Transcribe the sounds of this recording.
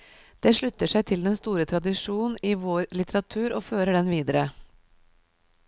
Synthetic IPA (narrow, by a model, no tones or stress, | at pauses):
d̪̥eːʂɭʉt̪ːəʂæɪt̪ʰɪld̪ɛnst̪uːɾət̪ʰɾɑd̪ɪʂuːnn̩iːʋoːɾlɪt̪əɾɑt̪ʰʉːɾʔoːføːɾəɖɛnʋiːd̪əɾə